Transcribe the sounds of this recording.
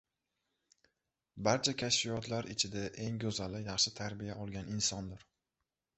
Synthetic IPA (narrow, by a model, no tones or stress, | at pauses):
baɾt͡ʃʰakʲʰaʃfijɒt̪laɾɪt͡ʃʰɪd̪aʔe̞ŋɡʲɵzalɪjɑχʃɪt̪ʰaɾbɪjaʔɒlˠɡʲanɪnsɒnd̪ɪɾ